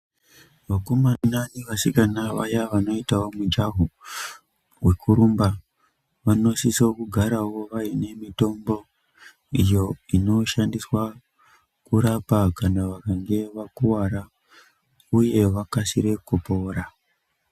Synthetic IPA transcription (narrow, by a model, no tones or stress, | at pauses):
ʋakumananiʋasikanaʋa̰jaʋano̞itao̞mud͡ʒaɦu | we̞kʰuɾumba | ʋano̞sisokuɡʱaɾawo̞ʋaine̞mito̞mbo̞ | ijo̞ino̞ʃandiswa | kuɾapakanaʋakaŋɡe̞ʋakuwaɾa | uje̞ʋakasiɾe̞kupo̞ːɾa